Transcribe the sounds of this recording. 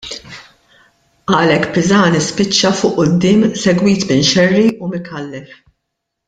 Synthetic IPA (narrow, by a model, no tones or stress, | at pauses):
ʔɐːlɛkːpɪzɐːnɪspɪt͡ʃːɐfʊʔʔʊd̪ːɪːmsɛɡwiːt̪mɪnʃɛrːiʔumɪkʰɐlːɛf